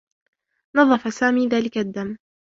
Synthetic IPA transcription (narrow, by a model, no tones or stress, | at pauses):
nɑðˤːɑfasaːmiːðaːlɪkad̪ːamː